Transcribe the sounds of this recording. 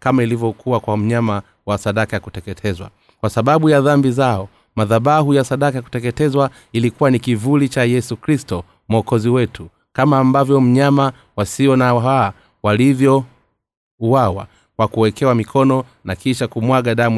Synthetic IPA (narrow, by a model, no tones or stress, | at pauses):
kamailivjɔkʰuwakwam̩ɲama | wasaɗakajakutɛkɛtʰɛzwa̰ | kwasaɓaɓujaðambizaɔ | maðaɓahujasaɗakajaku̥tɛkɛtɛzwa | ilikuwanikivulit͡ʃajɛsukɾistɔ | mɔkɔziwɛtʰu | kamaːmbavjɔm̩ɲama | wasiɔnaa | walivjɔ | uawa̰ | kwakuwɛkɛwamikʰɔnɔ | nakiʃakumwaɠaɗamu